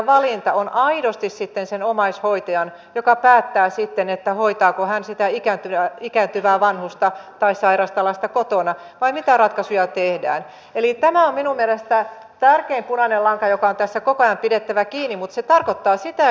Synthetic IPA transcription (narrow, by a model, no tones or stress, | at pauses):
ʋɑlint̪ɑonʔɑidost̪issit̪ːensenomɑishoit̪ɑjɑn | jokɑpæːt̪ːæːsit̪ːenet̪ːæhoit̪ɑːkohænsit̪æikænt̪yæikænt̪yʋæːʋɑnhust̪ɑt̪ɑissɑirɑst̪ɑlɑst̪ɑkot̪onɑ | ʋɑimit̪ærɑt̪kɑsujɑt̪ehdæ̰ːn | elit̪æmæomminummielest̪æ | t̪ærkeimpunɑnelɑŋkɑjokɑont̪æsːækokojɑmpidet̪ːæʋækiːnːimut̪set̪ɑrkot̪ːɑːsit̪æ